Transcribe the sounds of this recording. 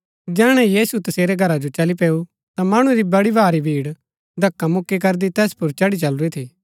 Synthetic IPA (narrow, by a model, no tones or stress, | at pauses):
d͡ʒɛːɽ̃ɛ̃jiːsut̪ɐseːɾeɡʱɐɾad͡ʒot͡ʃɐlipeːu | t̪amaːɽ̃uɾibɐɽibʱaːɾibʱiːɽ | d̪ʱɐkːamʊkːik̬ɐɾd̪it̪ɛːspʊɾt͡ʃɐɽit͡ʃɐlɾet̪ʰiː